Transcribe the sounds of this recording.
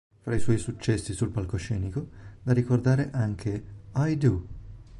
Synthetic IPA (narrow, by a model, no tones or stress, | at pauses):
fɾaiswɔjsut͡ʃːɛsːisulpalkoʃɛːnikod̪arikord̪aːɾeʔaŋkʰeajd̪u